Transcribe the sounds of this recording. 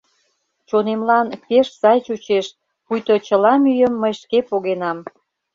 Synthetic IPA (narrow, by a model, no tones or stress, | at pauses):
t͡ɕonemlɑnpeʃsɑjt͡ɕut͡ɕeʃ | pujt̪ot͡ɕəlɑmyjəmːəjʃkepoɣenɑm